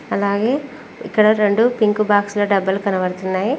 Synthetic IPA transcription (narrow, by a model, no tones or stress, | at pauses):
ɐlaːɡe̞ː | ḭkːɐɽɐɾeɳɖupiŋkubaːksloɖɐbːɐlkɐnɐʋɐɽt̪unːaːji